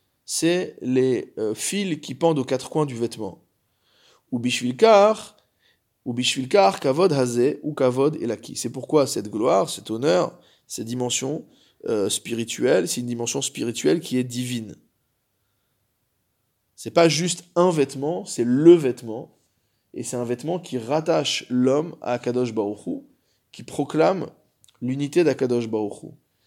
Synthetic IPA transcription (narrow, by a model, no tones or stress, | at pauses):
sɛleøfilkʲipɑ̃d̪okat̪χə̥kwɛ̃d̪yvɛt̪mɑ̰̃ | ubiʃfilkaʁ | ubiʃfilkaʁkavɔd̪ɦazɛukavɔd̪ɛ̰lakʲḭsɛpuʁkwasɛt̪ɡlwaːʁsɛt̪ɔnœʁ | sɛt̪̚d̪imɑ̃sjɔ̃ | øspiʁit̪ɥɛlsɛt̪ynd̪imɑ̃sjɔ̃spiʁit̪ɥɛlkʲiɛd̪ivin | sɛpaʒyst̪ɛ̃vɛt̪mɑ̃sɛləvɛt̪mɑ̃ | ḛsɛt̪ɛ̃vɛt̪mɑ̃kʲʰiʁat̪aʃlɔma̰ːkad̪ɔʃbaʁuχu | kʲipχɔklam | lynit̪ed̪akad̪ɔʃbaʁuχṵ